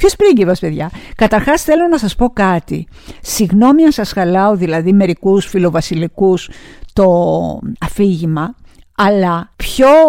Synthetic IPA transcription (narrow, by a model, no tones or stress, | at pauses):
pçospɾiɟivɐspe̞ðʝɐkɐt̪ɐɾxɐsθe̞lo̞nɐsɐspo̞kɐt̪ḭ | siɣno̞miɐnsɐsxɐlɐo̞ðilɐðime̞ɾikusfilo̞vɐsilikust̪o̞ɐfiʝimɐɐlɐpço̞